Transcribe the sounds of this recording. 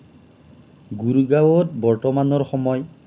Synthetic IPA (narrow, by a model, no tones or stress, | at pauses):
ɡuɹɡawɔt̚bɔɹtɔmanɔɹxɔmɔj